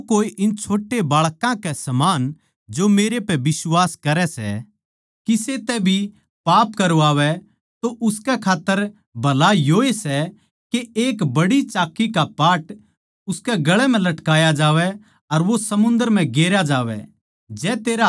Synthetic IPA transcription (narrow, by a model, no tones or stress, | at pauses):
koːiʔɪnt͡ʃʰoːʈːebaːɭkãkɛsɐmaːn | d͡ʒomeːɾepɛbɪswaːskɐɾɛsɛ̰ | kiset̪ɛbʱi | paːpkɐɾoaːʋɛ | t̪oʔʊskɛkʰaːt̪ːəɾ | bʱɐlajoːesɛ | keeːkbɐɽit͡ʃaːkːikapaːʈ | ʊskɛɡɐɭɛm̤ɛ̃lɐʈkaːjad͡ʒaːʋɛ | ɐɾʋosɐmʊ̃nd̪əɾm̤ɛ̃ɡeːɾjad͡ʒaːʋɛ̰ | d͡ʒɛːt̪eːɾa